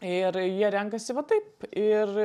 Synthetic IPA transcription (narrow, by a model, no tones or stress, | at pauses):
ɪɾjiɛɾʲɛŋkɐsʲɪʋɐt̪ɐɪpɪr